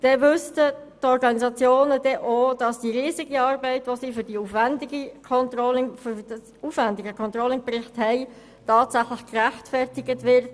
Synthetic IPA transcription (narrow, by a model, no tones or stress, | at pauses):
d̥ɛvʏstə | tɔɾɡɑnizɑt͡sjoːnədɛʔoːd̥ɑsd̥iɾiːziɡiɑːɾbɛɪtʋosiːfʏɾd̥iuːfvɛndɪɡikʰɔntrɔlɪŋfdsuːfvɛndɪɡəkʰɔntʁolɪŋprɪχthɛɪ | tɑːtsæχlɪχkræχtfɛrtɪɡətʋɪɾt